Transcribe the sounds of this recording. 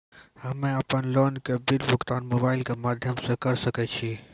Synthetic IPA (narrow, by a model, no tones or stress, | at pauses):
hɐmẽaːpənlɔːnkebɪlbʊkt̪aːnmoːbaːɪlkemaːd̪ʱjəmsẽkɐɾsɐkɛt͡ʃʰi